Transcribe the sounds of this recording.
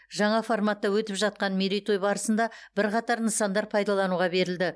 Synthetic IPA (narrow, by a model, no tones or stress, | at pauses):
ʒɑɴɑformɑt̪ːɑwɵt̪ɪpʒɑt̪̚qɑnmeɾijt̪ojbɑɾəsənd̪ɑbɪɾqɑt̪ɑɾnəsɑnd̪ɑɾpʰɑjd̪ɑlˠɑnuʁɑbe̞ɾɪld̪ɪ